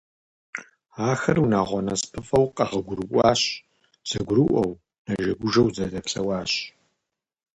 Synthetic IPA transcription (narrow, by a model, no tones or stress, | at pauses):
aːxɐrunaːʁʷɔnɐspʰɨfɐwqʼɐʁɐɡʷʊɾɨʔʷʼɑːɕ | z̥ɐɡʷʊɾɨʔʷɐw | nɐʒɐɡʷʊʒɐwzɐzɐpsɐwaːɕ